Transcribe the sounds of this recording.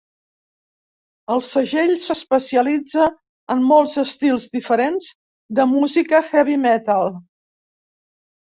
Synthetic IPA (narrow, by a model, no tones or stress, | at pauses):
əlˠsəʒeʎsəspəsiəlid͡zə | əmːɔlˠzəst̪ilˠzd̪ifəɾenz̥ | d̪əmuzikəxɛβimɛt̪alˠ